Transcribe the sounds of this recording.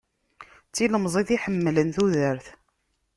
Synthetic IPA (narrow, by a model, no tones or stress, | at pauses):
t͡sːiləmzˤiθiħəmːlənθuðəɾθ